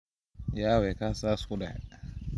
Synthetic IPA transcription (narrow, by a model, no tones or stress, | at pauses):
jawɛkasaskuda̰